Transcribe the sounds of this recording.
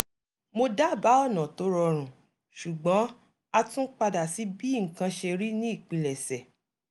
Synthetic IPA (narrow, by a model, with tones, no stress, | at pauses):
mo˧da˦˨ba˨˦ɔ˦˨nã˨to˨˦ɾɔ˧ɾ̃ũ˨ | ʃu˨ɡ͡bɔ̃˨˦ | a˧tũ˦k͡pa˧da˨si˨˦bi˦ŋ̩˨kã˧ʃe˧ɾi˦nĩ˦i˦˨k͡pĩ˧lɛ˨sɛ˨